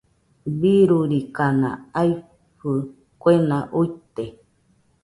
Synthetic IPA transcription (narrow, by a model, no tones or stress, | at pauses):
βiɾuɾikanã̰ai | ɸɨ | kwenãʔuit̪e